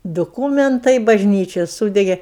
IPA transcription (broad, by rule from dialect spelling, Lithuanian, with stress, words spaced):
dʊˈkuːmʲɛntɐɪ bɐʒʲˈnʲiːt͡ʃʲɛ ˈsuːdʲɛɡʲeː